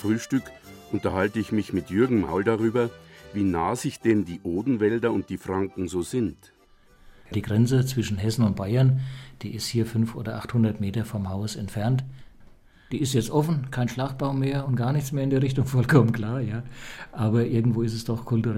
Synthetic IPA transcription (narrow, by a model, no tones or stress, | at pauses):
fʁ̥yːʃtʏkʔʊntɐhaltəɪçmɪçmɪtjʏɐɡŋ̩ma̰ʊldaʁyːbɐviːnaːzɪçd̥ɛndiːʔoːdn̩vɛldɐʊnt̚d̥iːfʁ̥aŋkŋ̩zoːzɪnt | d̥iːɡʁɛnt͡sət͡sv̥ɪʃn̩ɦɛsn̩ʊnt̚b̥aɪɐnd̥iːɪsthiːɐfʏnfʔo̰ːdɐʔaχthʊndɐtmeːtɐfɔmhaʊsɛntfɛɐnt | d̥iːɪstjɛt͡stʔɔfn̩kʰaɪnʃlaχt̚b̥aʊmeːɐʊntɡ̥aːɐnɪçt͡smeːɐɪndeːɐʁɪçtʊŋfɔlkʰɔmənkl̥aːɐjaːʔaːbɐʔɪɐɡŋ̩tv̥oːɪstɛsd̥ɔχkʰʊltuʁɛ